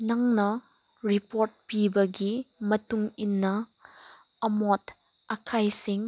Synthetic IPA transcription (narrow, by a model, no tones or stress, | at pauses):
nɐŋnɐ | ɾipoɾt̚pibɐɡimɐtuŋinːɐ | ɐmot | ɐkʰajsiŋ